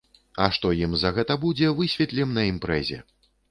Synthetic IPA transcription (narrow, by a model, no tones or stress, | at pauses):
ɐʂt̪ɔjimzɐɣɛt̪ɐbud͡zʲɛvɨsʲvʲɛt̪lʲɛmnɐimpɾɛzʲɛ̰